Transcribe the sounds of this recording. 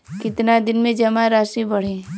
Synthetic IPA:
kɪt̪nad̪ɪnmẽd͡ʒɐmaɾaːʃibɐɽ̤ẽː

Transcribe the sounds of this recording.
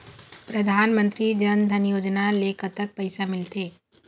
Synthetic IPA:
pɾɐd̪ʱaːnmə̃nt̪ɾid͡ʒɐnd̪ʱɐnjoːd͡ʒnaleːkət̪ək̚pɐɪsamɪlt̪eː

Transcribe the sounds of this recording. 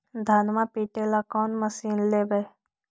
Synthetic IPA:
d̪ʱaːnmapiːʈelakɔːnməsiːnleːbe

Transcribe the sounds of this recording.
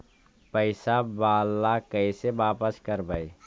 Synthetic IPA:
pəɪsabaːlːakəɪsebaːpəskəɾbəj

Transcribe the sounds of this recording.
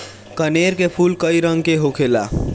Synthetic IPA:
kəneɾkepʰulkəiɾəŋɡkeɦokʰela̰

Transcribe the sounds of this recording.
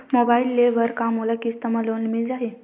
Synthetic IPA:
mobailːeʋəɾkamulakist̪əmalonmild͡zaɦe

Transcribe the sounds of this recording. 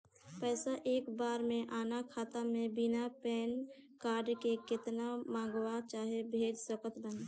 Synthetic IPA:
pəːsaʔeːkbaːɾmẽʔaːnakʰaːt̪amẽbɪnapɛːn | kaːɾɖkekɪt̪namãːŋ̆ɡwat͡ʃaːɦebʱeːd͡ʒsəkət̪bən

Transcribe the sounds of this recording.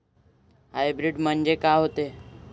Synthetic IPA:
ɦajbɾiɖm̤əɳd͡ʑekaɦot̪e

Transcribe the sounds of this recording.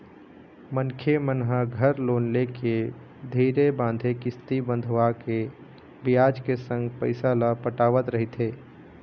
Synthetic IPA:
mənkʰemənɦaɡʱəɾloːnleke | d̪ʱiːɾebãːnd̪ʱekɪst̪ibə̃nd̪ʱʋake | bɪjaːd͡ʒkesə̃ŋɡpəɪsalapəʈaːʋət̪ɾəɦit̪ɦeː

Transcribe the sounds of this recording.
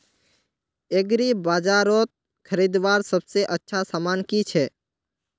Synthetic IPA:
eɡɾibaːd͡ʒaːɾoːt̪̚ | kʰəɾiːd̪ʋaːɾsəbseʔətːʃʰasaːmaːnkit͡ʃʰɛː

